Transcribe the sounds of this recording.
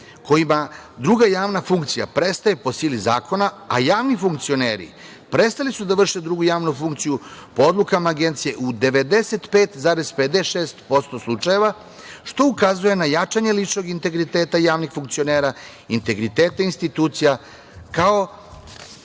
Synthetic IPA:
kʰo̞jimad̪ɾuɡajaːʋnafuŋkt̪sija̰pɾe̞st̪ajepo̞siːliza̰ːko̞na | ajaːʋnifuŋkt̪sio̞nḛːɾḭ | pɾe̞t̪st̪alisud̪aʋr̩ʃed̪ɾuɡujaːʋnufuŋkt̪sijupo̞o̞d̪lukamaːɡe̞nt̪sije̞ʔud̪e̞ʋe̞d̪e̞se̞t̪peːt̪zaːɾe̞zped̪eʃeːst̪po̞st̪o̞slˠut͡ʂaje̞ʋa | ʃt̪o̞ukazuje̞najat͡ʃaɲe̞lit͡ʃno̞ɡint̪e̞ɡɾit̪eːt̪ajaːʋnixfuŋk̚tsio̞neːɾa | int̪e̞ɡɾit̪e̞ːt̪ainst̪it̪uːt̪sija | kao̞

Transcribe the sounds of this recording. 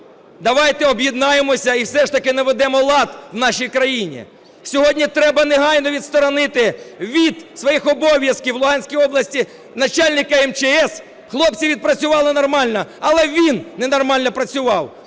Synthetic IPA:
d̪ɐʋɑjt̪ɛɔbjɪd̪nɑjemɔsʲɐiwsɛʃt̪ɐkɪnɐʋed̪ɛmɔlˠɑd̪wnɑʃijkɾɐjinʲḭ | sʲɔɦɔdʲnʲit̪ɾɛbɐneɦɑjnɔʋʲid̪st̪ɔɾɔnɪt̪ɪʋʲid̪sʋɔjixɔbɔʋʲjɐskʲiwlˠʊɦɑnʲsʲkijɔblˠɐsʲtʲi | nɐt͡ʃɑlʲnɪkɐɛmt͡ʃeɛs | xlˠɔpt͡sʲiʋʲid̪̚pɾɐt͡sʲʊʋɑlˠɪnɔrmɑlʲnɔɐlˠɛʋʲinːɛnɔrmɑlʲnɔpɾɐt͡sʲʊʋɑw

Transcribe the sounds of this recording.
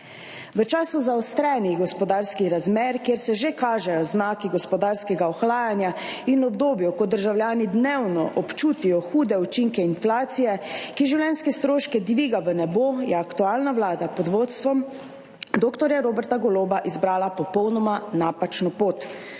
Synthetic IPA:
ʋət͡ʃaːsuzaɔst̪ɾɛnixɡɔspɔd̪aːɾskiɾazmeːɾkjeːɾsɛʒekaːʒɛjɔznaːkiɡɔspɔd̪aːɾskɛɡaɔxlaːjanjainɔbd̪oːbjɔkɔd̪əɾʒawljaːnid̪newnɔ̰ʔɔpt͡ʃuːt̪ijɔxuːd̪ɛut͡ʃiŋkɛinflaːt̪sijɛkiʒiwlɛnskɛst̪ɾoːʃkɛd̪ʋiːɡaʋənɛbojɛakt̪uaːlnaʋlaːd̪apɔd̪ʋoːt̪st̪ʋɔm | d̪oːkt̪ɔɾjaɾoːbɛɾt̪aɡɔloːbaʔizbɾaːlapɔpɔwnɔmanaːpat͡ʃnɔpoːt̪

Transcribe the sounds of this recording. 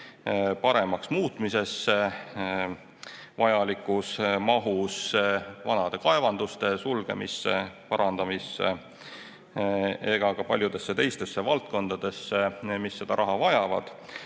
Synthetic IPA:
pɑɾe̞mɑksmuːt̪mise̞sːe | vɑjɑlikːˑusmɑɦusvɑnɑd̪̥e̞kɑe̞vɑnd̪̥ust̪e̞sulɡ̥e̞̰mḭsːepɑɾɑnd̪̥ɑmisːḛ | e̞ɡ̥ɑkɑpɑlʲjud̪̥e̞sːe̞t̪e̞jst̪e̞sːe̞vɑlt̪̚ko̞nd̪̥ɑd̪̥e̞sːemisːe̞d̪̥ɑɾʔɑɦɑvɑjɑvɑ̰d̪̥

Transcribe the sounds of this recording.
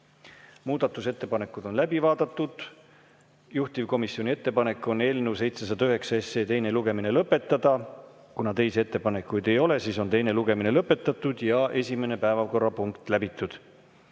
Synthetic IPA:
muːd̪̥ɑt̪ːˑuset̪ːe̞pɑne̞kːˑud̪̥o̞nlæbivɑːd̪ɑt̪ːˑud̪̥ | juht̪ivko̞misːjonʲie̞t̪ːe̞pɑne̞kːˑo̞ne̞ːlnuwse̞jt̪se̞s̬ɑd̪̥ɑyɦe̞ksɑesːe̞ːt̪e̞jne̞luɡe̞mine̞lɤpːe̞t̪ˑːɑd̪̥ɑ | kunɑt̪e̞jsee̞t̪ːe̞pɑne̞kːˑujd̪e̞jo̞le̞siːso̞nt̪e̞jne̞luɡe̞mine̞lɤpːe̞t̪ːˑɑt̪ːˑud̪̥jɑʔe̞sʲime̞ne̞pæevɑvko̞rːɑpuŋkt̪ˑlæbit̪ːˑud̪̥

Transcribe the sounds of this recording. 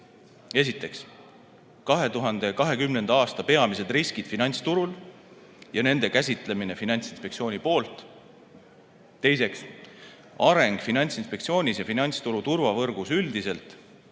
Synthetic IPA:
e̞sit̪ːˑe̞ks | kɑɦe̞t̪uɦɑnd̪̥e̞kɑɦe̞kymnend̪ɑɑːst̪ɑpe̞ɑmise̞d̪riskid̪̥finɑnʲt̪st̪uɾul | jɑne̞nd̪̥e̞kæsʲit̪ˑle̞mine̞finɑnʲt̪sinspe̞ktsio̞ːnʲipo̞ːlt̪ˑ | e̞js̬e̞ks | ɑɾe̞ŋɡ̥finɑnʲt̪sinspe̞kt̪sio̞ːnʲisjɑfinɑnʲt̪st̪uɾut̪urvɑvɤrɡ̥usyld̪ise̞lt̪

